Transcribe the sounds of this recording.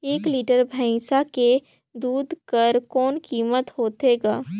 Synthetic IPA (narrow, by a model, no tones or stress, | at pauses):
eːkliːʈəɾbʱə̃ɪ̃sake | d̪uːd̪ʱkəɾkɔːnkiːmət̪ɦoːt̪eːɡaː